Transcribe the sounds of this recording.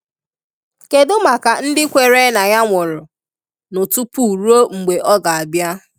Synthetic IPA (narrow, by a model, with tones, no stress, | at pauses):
ke˨dʊ˦ma˨ka˨n̩˦dɪ˦kʷe˨ɾe˦na˨ɲa˦ŋʷʊ˨ɾʊ˨ | nʊ˨tu˦pu˦˨u˨ɾu˦o˦ŋ͡m̩˨ɡ͡be˨ʔɔ˦ɡa˨a˨bja˦